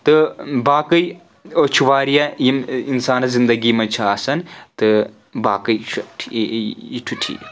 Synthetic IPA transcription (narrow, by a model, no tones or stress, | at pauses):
t̪ɨbaːkɨj | ot͡ʃʰuʋaːɾijɐjiminsaːnɐzind̪ɐɡiːmɐt͡ʃʰɐaːsɐnt̪ɨ | baːkɨjt͡ʃʰ | iʈʰuʈʰḭː